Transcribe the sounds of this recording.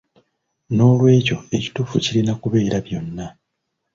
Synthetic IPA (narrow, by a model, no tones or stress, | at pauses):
no̞ːlwe̞ːco̞e̞ci̥tuːfṵcilinakuβe̞ːɾaβjo̞nːa